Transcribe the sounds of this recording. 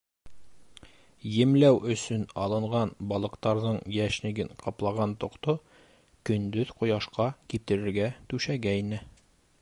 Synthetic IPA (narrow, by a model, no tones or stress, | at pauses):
jɘ̆mlæwʔɵ̆sɵnɑlˠɤ̆ɴʁɑnbɒlˠɤ̆qt̪ɑɾðɤɴjæʃnɘ̆ɡɘɴqʰɑplˠɑʁɑnt̪ŏqt̪o | kɵ̆nd̪ɵðqŏjɑʃqɑkip̚t̪ɘ̆ɾɘ̆ɾɡæt̪ʉʃæɡæinɘ